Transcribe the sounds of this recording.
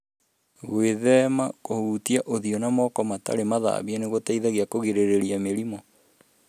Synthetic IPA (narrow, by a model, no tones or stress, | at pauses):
ɣweðɛmakohuːtiaʔoðiɔnamɔkɔmata̰ɾemaða̰βianeɣotaiðaɣiakoɣeɾeɾeɾiameɾimɔ